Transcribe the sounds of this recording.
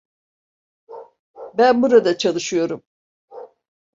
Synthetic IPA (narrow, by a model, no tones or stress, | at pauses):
bænbuɾad̪at͡ʃʰalˠɯʃɯjo̞ɾum